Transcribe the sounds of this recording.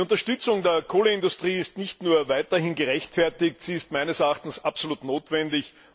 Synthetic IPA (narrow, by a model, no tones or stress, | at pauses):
ʊntɐʃtʏt͡sʊŋdeːɐkʰoːleɪndʊstʁ̥iːɪstnɪçtnuːɐvaɪtɐhɪnɡəʁɛçtfɛɐtɪk̚tsiːɪstmæɪnəsɛɐaxtn̩sapsoluːtnoːtv̥ɛndɪç